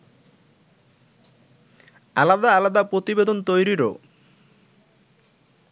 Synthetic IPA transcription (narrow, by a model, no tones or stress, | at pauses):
alad̪aalad̪apɾot̪ibed̪ont̪ojɾiɾo̰